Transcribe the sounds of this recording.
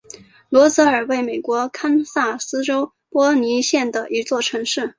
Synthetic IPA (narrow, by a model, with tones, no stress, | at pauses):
lwɔ˧˥t͡sɤ˧˥ə˞˨˩we˥˩ɪme˨˩ɪkwɔ˧˥kʰa˥nsa˥˩sɹ̩˥ʈ͡ʂo˥ʊ | pwɔ˥ni˧˥ɕjɛ˥˩nd̪ə˩ʔi˧˥t͡swɔ˥˩ʈ͡ʂʰɤ˧˥ŋʂɻ̩˥˩